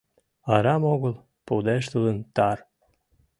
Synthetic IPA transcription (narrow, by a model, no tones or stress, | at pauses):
ɑɾɑmoɣəlˠ | pud̪eʃt̪ud̪ənt̪ɑr